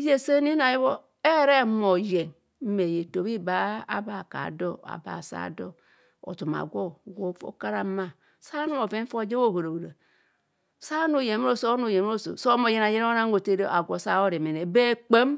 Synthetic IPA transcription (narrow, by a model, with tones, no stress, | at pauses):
je˦se˦ni˦na˨ji˦βo˦ | e˦ɾe˦mo˨je˨n | m̩˦me˨je˨to˨βi˦ba˦a˦ba˨ka̰˨do˦a̰˨ba̰˨sa̰˦˨do˦ | o̰˨tu˨ma̰˨ɡʷo˦˨ɡo˦fo̰˦ka˦ɾa˦ma˨ | sa˦nu˦mo˨ve˦fo˦˨d͡ʒe˦wo˦˨bo˨ɾo˨wo˨ɾa˨ | sa˦nu˦˨je˨m˦ɾo˦˨so˦nu˨je˨m˦o˦so̰˨so˦mo˨je˦na˨je˦n˦o˦na˦ŋ˦o˨te˦ɾe˦a˨ɡʷo˨sa˦wo˦ɾe˨me˨ne˨be˦k͡pe˦m